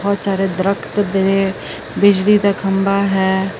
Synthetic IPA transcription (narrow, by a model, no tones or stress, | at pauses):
ɔːt̪saːɾeːd̪ɾəkʰt̪d̪ɪne | bɪd͡ʒliːd̪aːkʰəmbaːɦɛː